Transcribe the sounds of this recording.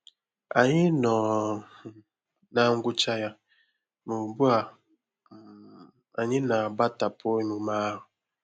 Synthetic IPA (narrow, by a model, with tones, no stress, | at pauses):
a˨ɲi˦nɔ˨ | na˦ŋ̩˦ɡu˦t͡ʃa˦ja˦ | mo˨bu˦a˨ | a˨ɲi˦na˨ba˦ta˨pʰɔ˦i˨mu˨ma˦˨